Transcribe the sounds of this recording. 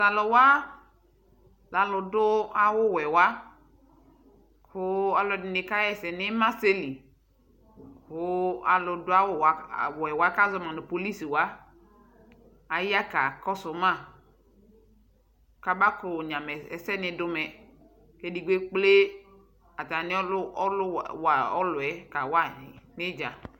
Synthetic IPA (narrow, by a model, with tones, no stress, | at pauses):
sa˨lɔ˨wa˦ | la˨lʊ˨dʊ˦a˦wʊ˦˨wɛ˨wa˦ | hʊ˦a˨lɔ˨dɪ˨ɪ˨ka˦jɛ˨sɛ˨nɪ˦ma˦se˦li˨ | hʊ˦a˨lʊ˨dʊ˦a˦wʊ˦˨wa˨wɛ˨wa˦ka˦zɔ˦mã˨nʊ˨po˨li˦si˨wa˦ | a˨ji˦a˦ka˨kɔ˦sʊ˨˦mã˦˨ | ka˨ba˦kɾʊ˨ɲã˨mɛ˨ɛ˨sɛ˦nɪ˨dʊ˦mɛ˨ | ke˦di˨ɡ͡be˦k͡ple˦ | a˨ta˨nɪ˦ɔ˦lɔ˦lʊ˦wa˨ɔ˦lʊ˨ɛ˦ka˨wa˦˨nɪ˦d͡ʒa˨